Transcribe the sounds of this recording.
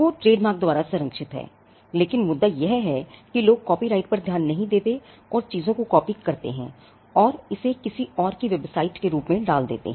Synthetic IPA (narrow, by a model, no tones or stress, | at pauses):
ʋoːʈɾeːɖmaːɾk̚d̪ʊaːɾasʊɾə̃ŋkʃɪt̪ɦɛ̰ː | leːkɪnmʊd̪ːajɐɦɦɛːkiloːɡ̚kɔːpiɾaːɪʈ̚pɐɾd̪ʱjaːnːɐɦĩd̪eːt̪e | ɔːɾt͡ʃiːzõkokɔːpikɐɾt̪ḛɦɛ̰̃ː | ɔːɾɪsekɪsiɔːɾkiʋebsaːɪʈkeɾuːpmẽɖaːld̪ḛːt̪ḛɦɛ̃